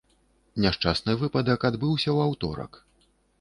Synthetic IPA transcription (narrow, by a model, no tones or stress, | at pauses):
nʲaʂt͡ʂasnɨvɨpɐd̪ɐkad̪bɨwsʲɐwawt̪ɔ̰ɾɐ̰k